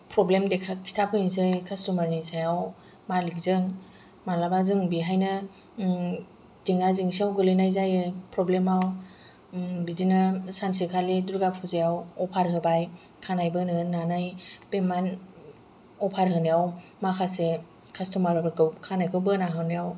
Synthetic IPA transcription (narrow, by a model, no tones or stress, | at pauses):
pɾɔblemdekʰakʰi̥stʰapʰɯinsɯjkʰastɔmaɾnisajaw | malik̚zɯŋ | malabazɯŋbiɦajnɯ | diŋnaziŋsiawɡɯlɯjnajzajɯpɾɔblemaw | bidinɯsansikʰaliduɾɡapʰuzejawɔpʰaɾɦɯbaj | kʰanajbɯnɯnanajpeman | ɔpʰaɾɦɯnijawmakʰase | kʰastɔmaɾbɯkɯwkʰanajkʰɯwbɯnaɦɯnijaw